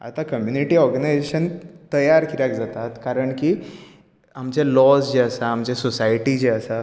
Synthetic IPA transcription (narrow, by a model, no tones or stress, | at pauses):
a̰t̪akəmjuniʈiːɔɾɡənajzeɕənt̪əjaɾkiɾakd͡zat̪at̪kaɾəɳki | amd͡ʑjalɔsd͡ʑeəsaːmd͡ʑasosajʈid͡ʑeəsa